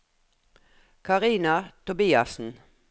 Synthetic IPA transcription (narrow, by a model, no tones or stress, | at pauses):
kʰɑʁiːnɑt̪ʊbiːɑ̰sn̩